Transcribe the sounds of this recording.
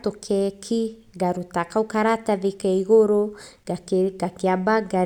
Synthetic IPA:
t̪okʰɛkʰi | ɡaɾutakawkaɾataðikeiɣoɾo | aɡakiabaɡa

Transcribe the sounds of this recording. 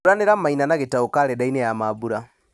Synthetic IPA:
ɾaneɾammainanaɣetaokaɾɛdainejamaβuɾa

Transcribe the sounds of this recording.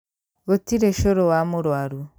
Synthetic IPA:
ɣotiɾeʃoɾowamuɾwaɾu

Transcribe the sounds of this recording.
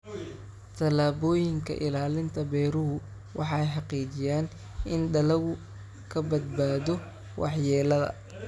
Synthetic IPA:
t̪ʰɐlaːbɔːjɪŋkʰɐ̰ʔɪlaːlɪnt̪ʰɐbɛːɾʊɦʊ | wʔɑħɑjħɑqiːd͡ʒɪjaːn | ɪnɖɐlɐɣʊ | kʰɐbɐd̪̚baːðɔ | wʔɑ̰ħjɛːlɐðɐ̰

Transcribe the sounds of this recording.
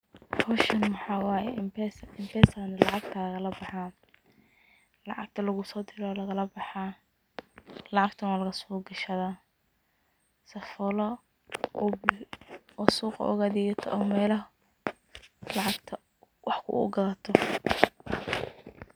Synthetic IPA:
kʰɔʃɐnmɑħɑːwɑːjɛɪmpʰɛsɪmpɛːsaːnɐlɑʕɑɡ̚t̪ʰaɣɐlɐbɑħaː | lɑʕɑɡ̚t̪ʰɐlɐɣʊsɔːd̪ɪɾɔlɐɣɐlɐbɑħaː | lɑʕɑɡt̪ʰɐnaːlɐɣɐsuːɡɐʃɐðaː | sɐfɔlɔ | b | ɔsuːqʔɔ̰ɣaðiɣɐt̪ʰɔʔːmɛːlɐ | lɑʕɑɡt̪ʰɐ | wʔɑħkʰʊ̰ʔʊ̰ɡɐlɐt̪ʰɔ

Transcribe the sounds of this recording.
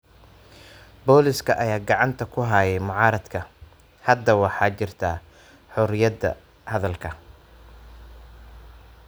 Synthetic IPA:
bɔːlɪskʰɐʔɐjaːɡɑʕɑnt̪ʰɐkʰʊɦɐjɛjmʊʕɑːɾɐd̪kʰɐ | hɐd̪ːɐwɑħɑːt͡ʃɪrt̪ʰa | ħɔɾɪjɐd̪ɐ̰ | hɐðɐlkʰɐ

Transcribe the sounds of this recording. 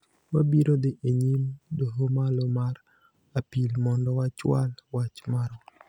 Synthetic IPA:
wabiɾod̪ɪʔeɲimdoɦomalɔmaɾ | apilmɔndɔwat͡ʃwa̰lwat͡ʃmaɾɔ

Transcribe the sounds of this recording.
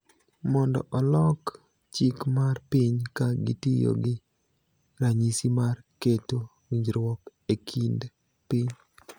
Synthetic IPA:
mɔndɔ̰ʔɔlɔk | t͡ʃikmarpɪɲkaɡḭtijo̰ɡɪ | ɾaɲisimarketo | wiɲd͡ʒɾwɔkekʰind | pɪɲ

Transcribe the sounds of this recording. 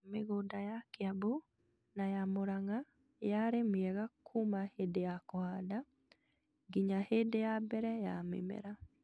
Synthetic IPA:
meɣodajakeabo | najamoɾaŋa | jaɾemiɛɣakʰumahedejakɔhada | ɡiɲahedejabɛɾɛjamḛmɛ̰ɾa

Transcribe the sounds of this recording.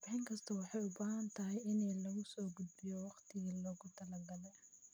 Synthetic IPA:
b̥ɪħɪŋkʰɐst̪ʰɐwɑħɑjʊbaːɦɐnt̪ʰɐɦɛjɪnɛlɐɣʊsɔːɡʊd̪̚bɪjɔwɑqt̪ʰɪɣilɔːɣʊt̪ʰɐlɐɡɐlɛ

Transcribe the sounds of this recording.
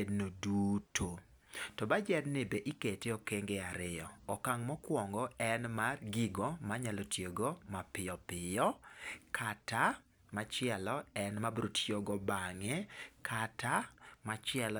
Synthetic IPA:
ednodutʰo | tɔbad͡ʒɛdnɪbeʔiketeokeŋɡeaɾɪjɔɔkaŋmɔkwɔŋɡɔɛnmarɡiɡomaɲalɔtjoɡomapɪɔpɪjɔkʰata | mat͡ʃɪɛlɔɛnmabɾotʰjoɡɔbaŋɛkatamat͡ʃɪɛl

